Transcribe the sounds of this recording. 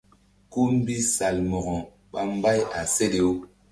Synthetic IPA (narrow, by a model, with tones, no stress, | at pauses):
ku˦m˦bi˦sa˨lmɔ˨ɣɔ˨ | ɓa˦m˦ba˦ja˨se˦de˨o˦